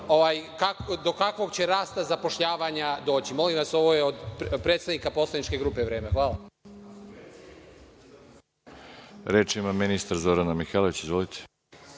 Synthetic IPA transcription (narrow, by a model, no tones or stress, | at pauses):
oʋajkad̪o̞kakʋo̞ɡt͡ɕe̞ɾaːst̪azapoʃʎaːʋaɲad̪o̞ːt͡ɕimo̞limʋaso̞ʋo̞jeod̪pɾe̞ːt̪st̪aʋnikapo̞slenit͡ʃke̞ɡɾuːpe̞ʋɾe̞ːmexʋaːlˠa | ɾeːt͡ʃimaminist̪aɾzoɾanamixeːloit͡ɕizʋolit̪ʰe̥